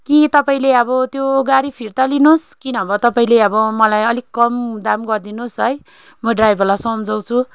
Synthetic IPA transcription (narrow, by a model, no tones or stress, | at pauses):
kit̪ʌpaĩleʌbʌt̪joɡaɾipʰirt̪alinoskinʌbʌt̪ʌpaĩleʌbʌmʌlajʌlikkːʌmd̪amɡʌrd̪inosɦʌj | mʌɖrajbʱʌrlasʌmd͡zʌw̃t͡sʰu